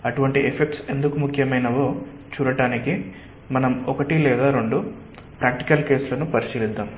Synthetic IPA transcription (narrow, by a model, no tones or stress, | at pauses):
ɐʈuʋɐɳʈiʔepʰek̚ʈse̞nd̪ukumukʰjɐmɐjnɐʋo̞ː | t͡ʃuːɾɐʈaːniki | mɐnɐmɔkɐʈilɛːd̪aːɾo̞ɳɖu | pɾaːk̚ʈi̥kɐlke̞ːsulɐnupɐɾiʃiːlid̪ːaːm